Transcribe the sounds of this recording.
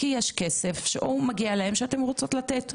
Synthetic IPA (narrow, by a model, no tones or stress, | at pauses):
kijeʃke̞sefʃeʔumaɡialae̞mʃeate̞mʁot͡so̞tlat̪e̞t